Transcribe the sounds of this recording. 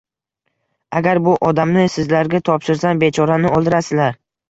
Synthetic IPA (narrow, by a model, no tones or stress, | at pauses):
aɡʲaɾbʊʔɒd̪amnɪsɪzlaɾɡʲat̪ʰɒpʃɪɾsanbe̞t͡ʃʰɒɾanɪɒlˠd̪ɪɾasɪzlaɾ